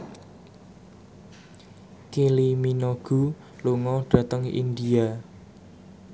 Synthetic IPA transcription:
kiliminoɡ̥ṳ | luŋɔɖ̥ä̤t̪əŋḭnd̪ia

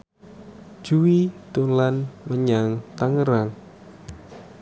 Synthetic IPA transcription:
ʒ̥uwit̪ulanməɲaŋt̪aŋəɾaŋ

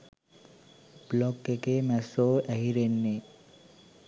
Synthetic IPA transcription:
blɔkːekemɛsoɛɦiɾenːe

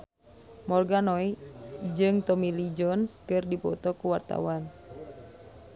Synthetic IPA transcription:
mɔrɡanɔid͡ʒɨŋt̪ɔmilid͡ʒɔnskɨrdipɔ̰t̪ɔkuwart̪a̰wan

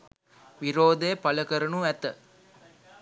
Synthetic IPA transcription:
ʋiɾoːd̪epɐləkəɾənuæt̪ə

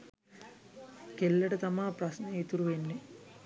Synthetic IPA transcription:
kelːɐʈɐt̪ɐmaːpɾɐsneet̪uɾuʋenːe

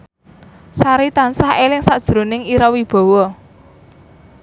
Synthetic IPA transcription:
saɾit̪ansahelɪŋsad̥ʒ̥ɾonɪŋiɾawib̥ɔ̤wɔ

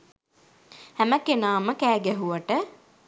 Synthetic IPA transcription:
hæməkenaːməkæːɡæɦuʋaʈə

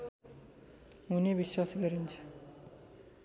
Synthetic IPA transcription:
ɦunebiswasɡʌɾint͡sʰʌ̥

